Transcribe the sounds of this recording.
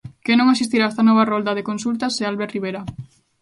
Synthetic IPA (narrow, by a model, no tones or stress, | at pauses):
kenõŋasist̪iɾaest̪anɔβ̞arold̪aðekonsult̪asːealβeɾriβ̞eɾa